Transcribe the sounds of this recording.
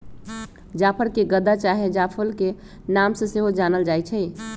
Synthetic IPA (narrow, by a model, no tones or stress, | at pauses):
d͡ʒaːpʰəɾkeɡəd̪at͡ʃaɦed͡ʒapʰəlke | namsẽseɦod͡ʒaːnəld͡ʒaːjt͡ʃʰɛ